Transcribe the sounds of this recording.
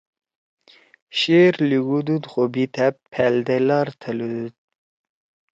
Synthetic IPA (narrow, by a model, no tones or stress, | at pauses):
ɕeɾliɡud̪ud̪χobit̪ʰæpʰːɛld̪elɑɾt̪ʰəlud̪ud̪̚